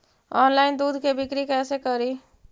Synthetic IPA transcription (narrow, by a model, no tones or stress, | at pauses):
ɔːnlaːɪnd̪uːd̪ʱkebɪkɾikɛːsekəɾi